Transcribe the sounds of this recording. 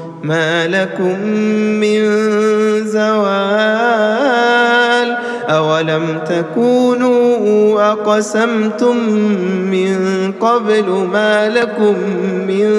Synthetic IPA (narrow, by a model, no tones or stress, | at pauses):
maːlakʊmːɪn | zawaː | l | ʔawalamt̪akuːnuːʔaqɑsamt̪ʊmː | ɪnqɑblmaːlakʊmːɪn